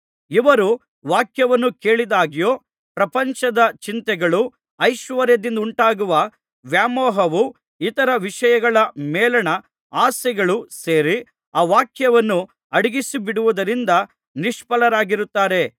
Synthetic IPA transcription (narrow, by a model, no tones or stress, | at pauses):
iʋɐɾu | ʋaːkjɐʋɐnːuke̞ːɭid̪aːɡijoː | pɾɐpɐɲt͡ʃɐd̪ɐt͡ʃint̪ɛɡɐɭu | ɐjʃʋɐɾjɐd̪ind̪ɐuɳʈaːɡuʋɐ | ʋjaːmoːɦɐʋu | it̪ɐɾɐʋiʂɐjɐɡɐɭɐmeːlɐɳɐ | aːsɛɡɐɭuseːɾi | aːʋaːkjɐʋɐnːu | ɐɽiɡisibiɽuʋud̪ɐɾind̪ɐ | niʂpɐlɐɾaːɡiɾut̪ːaːɾe̞